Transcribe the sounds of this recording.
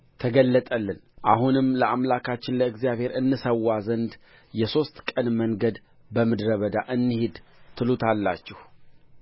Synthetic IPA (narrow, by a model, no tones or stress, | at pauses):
t̪ʰəɡəlːət̪ʼəlːɨn | ʔaɦunɨmləʔamlakʰat͡ʃːɪnləɨɡzijaβhe̞ɾɨnːɨsəwːazənd̪ | jɛso̞st̪kʼənməŋɡəd̪ | bəmɨd̪ɾəβəd̪aʔɨnːɨhed̪t̪ʰːɨlut̪ʰalːat͡ʃːɛh